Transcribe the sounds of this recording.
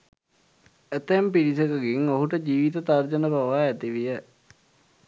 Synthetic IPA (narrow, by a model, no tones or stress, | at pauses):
æt̪əempiɾisəkəɡiŋoɦuʈəd͡ʑiːʋit̪ət̪ard͡ʒənəbaʋaɛt̪iʋijə